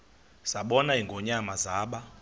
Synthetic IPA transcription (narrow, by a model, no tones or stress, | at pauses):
saɓɔnaɦiŋɡʱɔɲamazaːɓa